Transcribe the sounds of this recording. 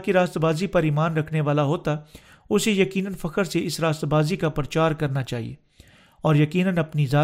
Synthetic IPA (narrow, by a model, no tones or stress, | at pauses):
kiɾaːst̪baːzipɐɾiːmaːnɾɐkʰneʋaːlaɦoːt̪a | ʊsejɐkiːnənfɐkəɾseɪsɾaːst̪baːzikapɾət͡ʃaːɾkɐɾnat͡ʃaːɦḭḛː | ɔːɾjɐkiːnənɐpnizaː